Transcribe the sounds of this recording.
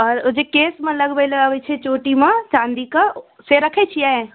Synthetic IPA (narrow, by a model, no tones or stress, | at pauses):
ɔːɾʊd͡ʒekeːsmə̃lɐɡbeləaʋet͡ʃʰet͡ʃoːʈimãt͡ʃãːnd̪ikə | seɾɐkʰet͡ʃʰiae